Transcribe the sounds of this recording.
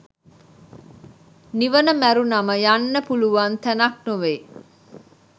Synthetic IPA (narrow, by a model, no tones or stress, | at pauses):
niʋənəmæɾunɐməjanːəpuluʋaːnt̪ænɐk̚nuʋeː